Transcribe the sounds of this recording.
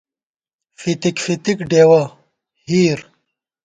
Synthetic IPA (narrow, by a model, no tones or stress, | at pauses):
fit̪ikfit̪ikɖeːwɐ | hiːɾ